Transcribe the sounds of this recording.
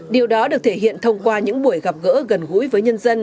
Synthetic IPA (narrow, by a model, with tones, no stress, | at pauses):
ɗi˨˩əwɗɔ˨˦ɗɨ˨˩ək̚t̪ʰe˧˩ɦḭ˧˨ənt̪ʰə˧wŋ͡mkwaː˧ɲɨ̰˧˥ŋɓu˧˩əjɣa˨˩p̚ɣə̰ː˧˥ɣə˨˩nɣṵ˧˥jvəː˨˦jɲə˧nzə˧n